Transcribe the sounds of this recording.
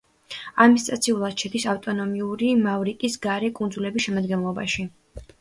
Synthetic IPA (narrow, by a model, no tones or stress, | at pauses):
amist̪ʼat̪sʰiulˠad̪ʃʰɛd̪isaft̪ʼɔnɔmiuɾimavɾikʼisɡaɾɛkʼund̪zulɛbisʃɛmad̪ɡɛnlˠɔba̰ʃi